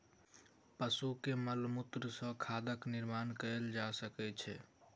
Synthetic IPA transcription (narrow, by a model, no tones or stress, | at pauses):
pəsukeməlmut̪ɾəsə̃kʰad̪əkniɾmankəld͡ʒasəkɛt͡ʃʰɛ